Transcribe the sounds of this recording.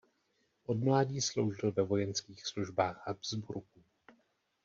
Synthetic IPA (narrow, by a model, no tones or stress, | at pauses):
ʔo̞dmlaːɟiːslowʒɪlvɛvo̞jɛnskiːxsluʒbaːxabzbuɾku